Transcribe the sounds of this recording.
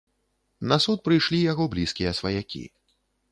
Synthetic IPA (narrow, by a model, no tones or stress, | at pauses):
nɐsut̪̚pɾɨjʂlʲijaɣɔblʲiskʲijɐsvɐjakʲḭ